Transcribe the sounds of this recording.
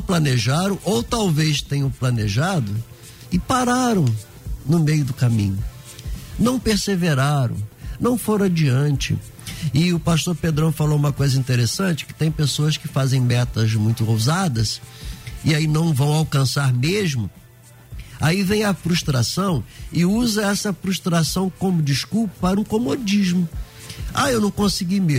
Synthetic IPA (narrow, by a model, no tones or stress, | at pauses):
plɐneʒaɾɐ̃w̃ʔowt̪awvest̪ẽjɲɐ̃wplɐneʒad̪ʊ | ɪpaɾaɾɐ̃w̃ | nʊmejʊd̪ʊkamḭ̃ɲʊ | nɐ̃w̃peɾseveɾaɾɐ̰̃w̃nɐ̃w̃foɾ̃ad͡ʒiɐ̃nt͡ʃɪ̰ | ɪʊpaʃt̪oɾped̪ɾɐ̃w̃falowũmɐkojzɐĩnt̪eɾesɐ̃nt͡ʃɪ̥kɪ̥t̪ẽj̃pesoɐskɪfazẽj̃mɛt̪ɐzmũj̃t̪ʊowzad̪ɐs | ɪainɐ̃w̃vɐ̃w̃awkɐ̃saɾmeʒmʊ | aivẽj̃ɐfɾuʃt̪ɾasɐ̃w̃ɪuzɐɛsɐfɾuʃt̪ɾasɐ̃w̃kõmʊd͡ʒiskuwpɐpaɾũkomod͡ʒiʒmʊ | a̰ewnɐ̃w̃kõsiɡime